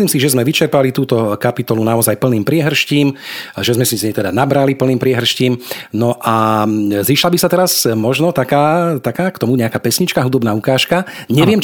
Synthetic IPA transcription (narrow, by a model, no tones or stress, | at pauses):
liːmsiʒɛzmɛʋit͡ʃɛɾpalit̪uːt̪ɔkapit̪ɔlunaɔzajpl̩niːmpɾɪɛɦr̩ʃciːmʒɛzmɛsizɲɛt̪ɛd̪anabɾalipl̩niːmpɾɪɛɦr̩ʃciːmnɔʔaziːʃlabisat̪ɛɾazmɔʒnɔt̪akaːt̪akaːkt̪ɔmuɲɛakaːpɛsɲit͡ʃkaɦud̪ɔbnaːukaːʃka | ɲɛʋɪɛm